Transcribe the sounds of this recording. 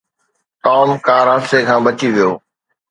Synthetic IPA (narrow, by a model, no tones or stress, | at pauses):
t̪ɔːmkaːɾɦəsekʰãːbət͡ɕiʋijoː